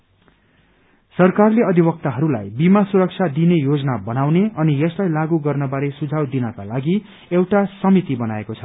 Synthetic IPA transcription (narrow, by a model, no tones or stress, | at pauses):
sʌrkarleʌd̪ʱibʌk̚t̪aɦʌɾula̰jbimasuɾʌk̚t͡sʰad̪inejod͡zʌnabʌnawneʌnijʌslajlaɡuɡʌrnʌbaɾesud͡zʱawd̪inʌka̰laɡi | ewʈasʌmit̪ibʌnaekot͡sʰʌ